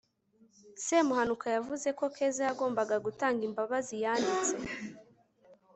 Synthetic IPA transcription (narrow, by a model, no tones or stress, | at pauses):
semuhanukajavuze̞ko̞kʰe̞ːzajaɡo̞ːmbaɡaɡutaːŋɡimbaβazijaːndit͡se̞